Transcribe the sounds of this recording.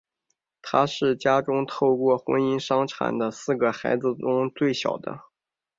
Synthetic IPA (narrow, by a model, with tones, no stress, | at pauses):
t̪ʰa˥ʂɻ̩˥˩t͡ɕja˥ʈ͡ʂʊ˥ŋt̪ʰo˥˧ʊkwɔ˥˩xwə̰˥ni˥nʂɑ˥ŋʈ͡ʂʰa̰˨˩nd̪ə˦sɹ̩˥˩ɡə˩xa˧˥ɪd͡zɹ̩˧ʈ͡ʂʊ˥ŋt͡swe˥˩ɪɕjɑ̰˨˩ʊd̪ə̰˦